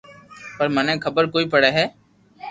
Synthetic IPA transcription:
pəɾmənẽːkʰəbəɾkoːipəɽeːɦɛː

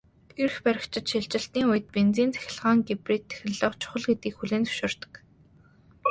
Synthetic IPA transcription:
erxpæɾʲɪ̆kt͡ɕʰɪ̆t͡ɕ̪ʃiɮt͡ɕɪ̆ɬt̪niːʊjə̆t̪̚pent͡siːnt͡sʰæ̥xʲɪ̆ɮʁaːŋɡepriːt̪ʰːe̥xʲɪ̆ɮɮɔːt͡ɕʰʊ̥χə̆ɮɡet̪̚ɡiːkxuɮeːnt͡sɵ̥ʃoːr̥t̪ə̥̆k

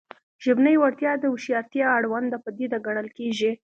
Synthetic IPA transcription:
ʒ̥ɪbnəjwaɾt̪jɑd̪əuʃjɑɾt̪jɑːɽwand̪apəd̪id̪aɡaɽ̃əlkeʒi

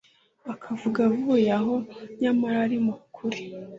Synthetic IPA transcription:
akʰavuɡavujaɦo̞ɲamaɾaɾimukʰuɾi

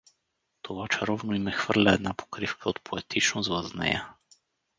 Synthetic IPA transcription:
t̪ʰovat͡ʃaɾɔvnoimɛxv̥ərlʲaɛd̪napo̥kɾifkʰəot̪pʰoɛt̪it͡ʃnozvaznɛ̰ja

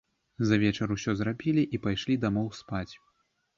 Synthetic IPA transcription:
zɐvʲɛt͡ʂɐɾusʲɔzɾabʲilʲiʔipajʂlʲid̪amɔwspat͡sʲ

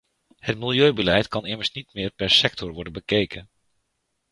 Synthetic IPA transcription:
hətmɪlˠjøɥbəlɛjtkɑnɪməɹsnitmɪːɹpɛɹsɛktʰɔɹʋɔɹdənbəkejkən

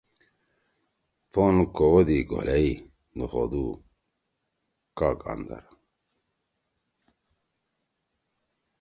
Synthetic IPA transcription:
ponkowod̪iɡo̰lai | d̪uχo̰d̪u | kaka̰nd̪a̰ɾ

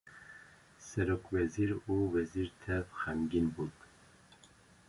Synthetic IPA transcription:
sɛɾokvɛziɾuwɛziɾt̪ʰɛvxɛmɡinbut̪

